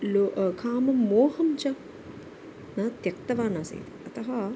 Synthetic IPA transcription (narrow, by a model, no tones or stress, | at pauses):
loʔkʰaːmɐmːoːhɐmt͡ʃɐ | nat̪jɐk̚t̪ɐʋaːnaːsḛːt̪i̥ɐt̪ɐɦɐ